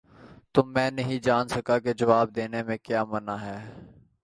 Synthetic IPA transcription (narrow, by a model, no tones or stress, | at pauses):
t̪ʊmːɛ̃ːnɐɦĩd͡ʒaːnsəkaked͡ʒɐʋaːb̚d̪eːnemẽkjaːmənaːɦɛː